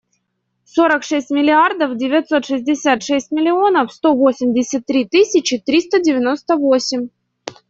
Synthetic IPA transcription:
so̞ɾəkʂɛsʲtʲmʲɪlʲɪard̪əfdʲɪvʲɪt̪so̞t̪ʂɨzʲdʲɪsʲat̪ʂɛsʲtʲmʲɪlʲɪo̞nəfst̪o̞vo̞sʲɪmʲdʲɪsʲət̪ːɾʲit̪ɨsʲɪt͡ɕɪt̪ɾʲist̪ədʲɪvʲɪno̞st̪əvo̞sʲɪmʲ

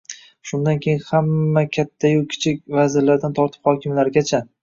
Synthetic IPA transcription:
ʃʊnd̪ankʲʰe̞jɪnhamːakʲʰat̪ʰːajokʲʰɪ̥t͡ʃʰɪkʲvazɪɾlaɾɪd̪ant̪ʰɒɾt̪ʰɪ̥phɒkʲɪmlaɾɪɡʲat͡ʃʰa

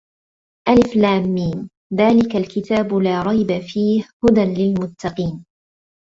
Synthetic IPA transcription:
ʔalɪflaːmːiːn | ðaːlɪkalkɪt̪aːbʊlaːɾˤɑjbafiːhhʊd̪anlɪlmʊt̪ːɑqiːn

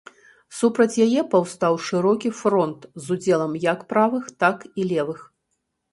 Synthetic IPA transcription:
supɾɐt͡sʲjajɛpawst̪awʂɨɾɔkʲifɾɔnt̪zud͡zʲɛlˠɐmjɐkpɾavɨxt̪akilʲɛvɨx

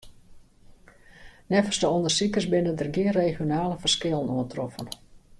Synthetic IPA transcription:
nɛfəsdəɔndərsikəsbɪnəndərɡɪənreːxjonaːləfərskɪlˠənuəntrɔfən

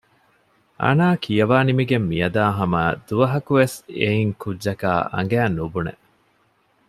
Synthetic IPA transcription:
ʔɐ̰naːkʰijɐʋaːnimiɡemːijɐd̪aːɦɐmɐːd̪̥uʋɐɦɐkuʋeseiŋkudːʒɐka̰ːʔɐ̰ŋ̆ɡæːnubunḛ

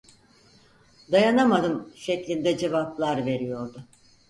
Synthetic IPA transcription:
d̪ajanamad̪ɯmʃeclʲind̪ɛd͡ʒe̞vaplˠaɾve̞ɾijo̞ɾd̪ʊ

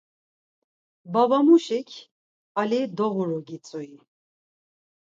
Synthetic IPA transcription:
bavamuʃikʰ | alid̪ɔɣuɾɔɡit͡sʼui

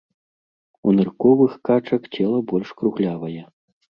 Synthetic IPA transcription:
unɨrkɔvɨxkat͡ʂɐkt͡sʲɛlˠɐbɔlʲʂkɾuɣlʲavɐjɛ

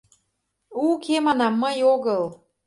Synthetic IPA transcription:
ukʰemɑnɑmːəjoɣəl

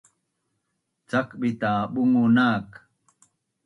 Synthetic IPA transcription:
t͡sakɓit̪aːɓuŋunaːk

